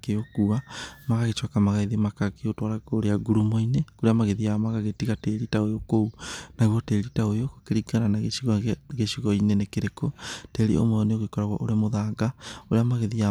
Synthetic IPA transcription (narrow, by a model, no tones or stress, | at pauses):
keokuamaɣaɣet͡ʃwakamaɣaiðemakakeotwaɾakoɾeaɡuɾumɔinekoɾeamaɣeðiamaɣaɣetiɣateɾitaojokounaɣwɔteɾitaojokokeɾiɡaɾanaɣeiɣɣeʃiɣɔinenekeɾekɔteɾḭo̰mɔɔneoɣekɔɾaɣwa̰ʔoɾemoðaːɡaoɾeamaɣeðia